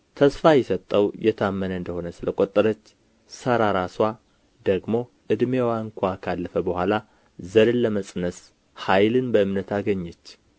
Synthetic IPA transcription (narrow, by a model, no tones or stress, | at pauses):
t̪ʰəsfajɛsət̪ʼːəwjɛt̪ʰamːənəɨnd̪əho̞nəsɨləkʼot̪ʼːɨɾət͡ʃː | səɾaɾaswa | d̪əɡmo̞ | ʔɨd̪mewaɨŋkʷʰakʰalːəfəbəhʷala | zəɾɨnləməsʼnəs | hajlɨnbəɨmnət̪ʰaɡəɲːɛt͡ʃː